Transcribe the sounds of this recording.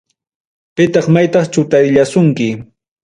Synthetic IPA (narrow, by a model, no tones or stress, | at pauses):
pɪt̪ɑχmajt̪ɑχt͡ʃʊt̪aɾʎasʊŋkɪ